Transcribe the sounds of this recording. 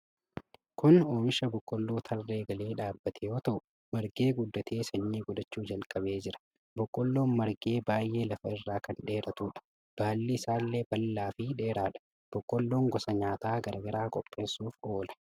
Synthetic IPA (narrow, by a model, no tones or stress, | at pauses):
kʊnoːmɪʃɐbɔkʼːɔlːo̞ːt̪ʰɐlːe̞ːɡɐliːᶑaːbːɐt̪ʰɛjo̞ːt̪ɐʔʊ | mɐɾɡe̞ːɡʊd̪ːɐt̪ʰeːsɐɲːiːɡʊd̪ɐt͡ʃːuːd͡ʒɐlkʼɐbe̞ːd͡ʒɪɾɐ̥ | bɔkʼːɔlːoːnmɐɾɡe̞ːbaːjʔe̞ːlɐfɐɪrːaːkɐnᶑe̞ːɾɐt̪uːᶑɐ̥ | b̥aːlːiɪsaːlːe̞ːbɐlːaːfɪᶑe̞ːɾaːᶑɐ̥ | b̥ɔkʼːɔlːo̞ːŋɡɔsɐɲaːt̪aːɡɐɾɐɡɐɾaːkʼɔpʼːe̞ːsuːfo̞ːlɐ̥